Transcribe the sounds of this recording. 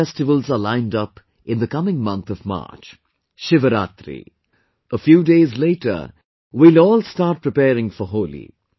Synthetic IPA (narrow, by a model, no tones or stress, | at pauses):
ɛstɪʋəlˠzəlãɪ̃ndʌp | ʔɪ̃nd̪əkʌmɪ̃ŋmʌ̃nt̪ʰɔvma̰ːt͡ʃ | ʃɪʋəɾa̰ːt̪ɾḭ | ʔəfjuːɖeːzleːʈʰə̰ | wilɔːlstaːʈ̚pɾɪpɛːɾɪ̃ŋfɔɦoːlḭ